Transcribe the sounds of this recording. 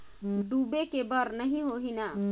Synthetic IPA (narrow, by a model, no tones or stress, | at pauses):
ɖubekebəɾnəɦĩɦoɦina